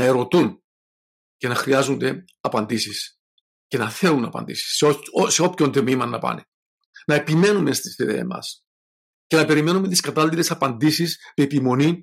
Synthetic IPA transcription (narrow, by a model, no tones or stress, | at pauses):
nɐe̞ɾo̞t̪un | ce̞nɐxɾiɐzond̪e̞ | ɐpɐnd̪isis | ce̞nɐθe̞lunɐpɐ̰nd̪ḭsi̥sseo̞pço̞nt̪mimɐnːɐpɐ̰nḛ | nɐepime̞nume̞st̪i̥siðḛɐ̰mɐ̰s | ce̞nɐpe̞ɾime̞numet̪iskɐt̪ɐlːiɾe̞sɐpɐnd̪isisme̞ːpimo̞ni